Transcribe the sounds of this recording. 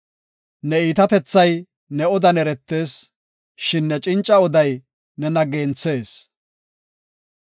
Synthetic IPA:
nɛiːt̪ɐt̪ɛt͡sːɐj | nɛɔd̪ɐnɛɾɛt̪ːe̞ːs | ʃɪnːɛt͡ʃʼɪnt͡ʃʼːɐɔd̪ɐj | nɛnɐɡeːnt͡se̞ːs

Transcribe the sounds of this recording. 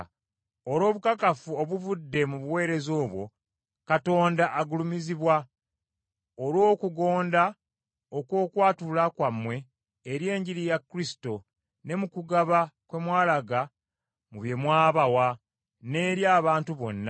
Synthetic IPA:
o̞lo̞ːβukakafuo̞βuvudːe̞muβuwe̞ːɾe̞zo̞ːβwo̞̰ | kato̞ːndaʔaɡulumiziβwa | olwo̞ːkuɡo̞ːnda | okwo̞ːkwaːtulakwamːwe̞ː | ɾje̞ːɲɟiɾijakːuɾisi̥to̞ | ne̞mukuɡaβakwe̞mwaːlaɡa | muβje̞mwaːβawa | ne̞ːɾjaːβaːntuβo̞̰nːa

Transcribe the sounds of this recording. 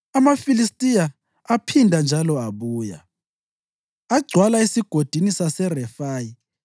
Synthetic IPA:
amafilistʼijaː | pʰindʱand͡ʒʱalɔaβuːja̰ | aɡ͡ǀʱwalaesiɡ̥ʱod̥ʱinisasɛrɛfaːji

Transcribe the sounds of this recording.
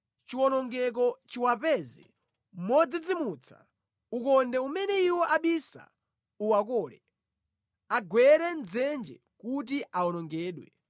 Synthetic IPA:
t͡ʃiwɔnɔŋɡɛk̬ɔt͡ʃiwapɛzḭ | m̩mɔd͡zid͡zimut͡sʰḁ̰ | ukɔndɛumɛnɛiwɔʔaɓisa̰ | uwak̬ɔːɾɛ | aɡwɛɾɛnd͡zɛnd͡ʒɛ | kut̬iʔaɔnɔŋɡɛːɗwɛ

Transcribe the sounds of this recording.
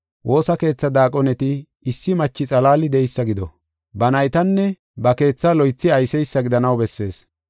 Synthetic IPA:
wʔo̞ːsɐke̞ːt͡sːɐd̪aːkʼɔnɛt̪ɪ | ɪsːɪmɐt͡ʃːɪt͡sʼɐlaːlɪd̪ɛjsːɐɡɪd̪ɔ | bɐnɐjt̪ɐnːɛ | bɐke̞ːt͡sːɐlɔjt͡sːɪɐjsɛjsːɐɡɪd̪ɐnɐwbɛsːe̞ːs

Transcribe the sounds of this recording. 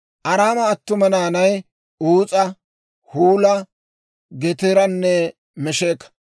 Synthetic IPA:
ʔɐɾaːmɐːt̪ːʊmɐnaːnɐj | uːt͡sʼɐ | huːlɐ | ɡɛt̪eɾɐnːɛ | mɛʃeːkːɐ̥

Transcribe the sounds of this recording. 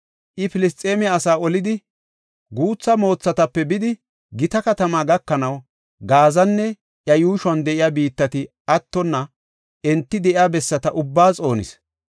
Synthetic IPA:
ʔɪfɪlɪst̪ʼe̞ːmɪjaːsaːɔlɪd̪ɪ | ɡuːt͡sːɐmo̞ːt͡sːɐt̪ɐpːɛbɪd̪ɪ | ɡɪt̪ɐkɐt̪ɐmaːɡɐkːɐnɐw | ɡaːzɐnːɛ | ʔjɐjuːʃʊwɐnd̪ɛʔɪjaːbiːt̪ːɐt̪ɪ | ɐt̪ːɔnːɐ | ʔɛnt̪ːɪd̪ɛʔɪjaːbɛsːɐt̪ɐʔʊbːaːt͡sʼo̞ːnɪ̰s

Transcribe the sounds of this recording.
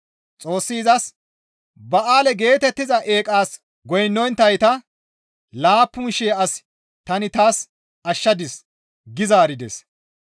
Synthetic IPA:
t͡sʼo̞ːsːiːzɐs | bɐaːlɛɡe̞ːt̪ɛt̪ːɪzɐʔeːkʼaːs | ɡɔjnːɔjnt̪ɐjt̪ɐ | laːpːʊnʃeːɐs | t̪ɐnɪt̪aːs | ɐʃːɐd̪ɪs | ɡɪzaːɾɪd̪ɛs

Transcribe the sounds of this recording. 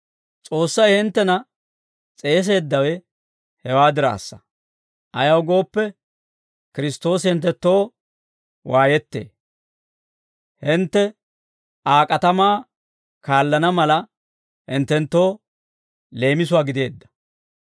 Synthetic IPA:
t͡sʼo̞ːsːɐjhɪnt̪ːɛnɐ | t͡sʼe̞ːs̬e̞ːd̪ːɐwɛ | hɛwaːd̪ɪɾa̰ːsːɐ̥ | ʔɐjɐwɡo̞ːpːɛ | kɪɾɪst̪o̞ːsɪhɪnt̪̬ːɛt̪ːo̞ː | wʔaːjɛt̪ːe̞̰ː | hɪnt̪ːɛ | ʔaːkʼɐt̪ɐmaː | kaːlːɐnɐmɐlɐ | hɪnt̪ːɛnt̪ːo̞ː | le̞ːmɪs̬ʊaːɡɪd̪e̞ːd̪ːɐ̥

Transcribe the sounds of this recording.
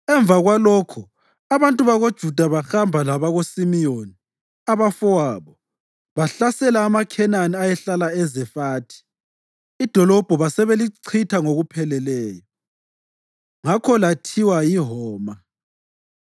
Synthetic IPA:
ɛɱb̪vaɣwalɔkʰu | aβantʼuβaɣod̥ʒ̥ʱud̥ʱaβaxambʱalaβaɣosimijoni | aβafɔwaːβɔ | βaɬasɛlaːmakʰɛnaniajɛɬalaɛzɛfaːtʰi̥ | id̥ʱɔlɔb̥ʱɔβasɛβeliǀʰitʰaŋoɣupʰɛlɛlɛːjɔ | ŋakʰɔlatʰiwajiɦɔːma

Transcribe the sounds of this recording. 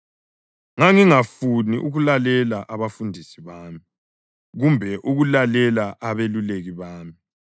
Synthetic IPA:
ŋaŋiŋafuniʔuɣulalɛlaʔaβafundʱisiβaːmi | ɣumbʱɛʔuɣulalɛlaʔaβeluleɣiβaːmi

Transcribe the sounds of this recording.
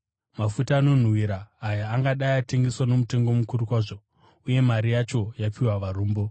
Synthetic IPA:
mafutaːno̞n̤wiɾaːjaːŋɡaɗajate̞ŋɡeswano̞mute̞ŋɡo̞mukurukwaːʐo | uje̞maɾijat͡ʃo̞japiwaʋaruːmbo

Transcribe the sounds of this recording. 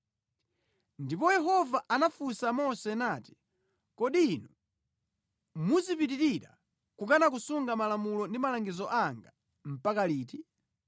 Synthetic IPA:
ndipɔjɛɦɔvaʔanafusamɔsɛnaːti̥ | kɔɗiːnɔ | muzipitiɾiɾa̰ | kukanak̬usuŋɡamalamulɔndimalaŋɡizɔʔaŋɡa | m̩pakaliːti

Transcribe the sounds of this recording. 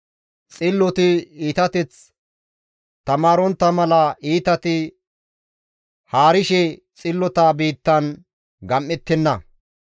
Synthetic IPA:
t͡sʼɪlːɔt̪ɪiːt̪ɐt̪ɛt͡s | t̪ɐmaːɾɔnt̪ːɐmɐlɐiːt̪ɐt̪ɪ | haːɾɪʃɛt͡sʼɪlːɔt̪aːbiːt̪ːɐn | ɡɐmʔːɛt̪ːɛnːɐ

